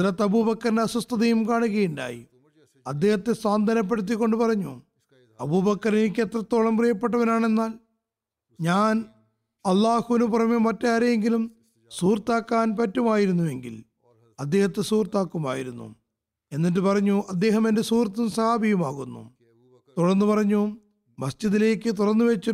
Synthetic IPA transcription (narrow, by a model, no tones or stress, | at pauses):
ɐðlɐt̪ːɐbuːbɐkːɐɾndeɐsust̪ɐðɐjumkaːɳuɣɐjuɳɖa̰ːjḭ | ɐd̪ːe̞ːhɐt̪ːe̞saːnd̪ʱɐnɐp̬ːe̞ɽut̪̬ːikːo̞ɳɖɨpɐrɐɲːṵ | ɐbuːbɐkːɐɾinikʲːet̪rɐt̪ːo̞ːɭɐmprijɐpːe̞ʈːɐʋɐnaːɳe̞nːaːl | ɲaːn | ɐlːaːhuʋinuprɐmjɐmɐtːaːɾeeŋɡilum | suːrt̪aːkːaːnpɐtːumaːjiɾunːuje̞ŋɡḭl | ɐd̪ːe̞ːhɐt̪ːesuːrt̪aːkːuma̰ːjiɾunːṵ | e̞nːit̬ːɨpɐrɐɲːuʔɐd̪ːe̞ːɦɐme̞ndesuːrt̪̬ːumsɐhaːbʱijɐmaːɣunːṵ | t̪uɽɐrnːɨpɐrɐɲːu | mɐsd͡ʑiðile̞ːkːɨt̪̬uɽɐrnːɨʋet͡ɕːu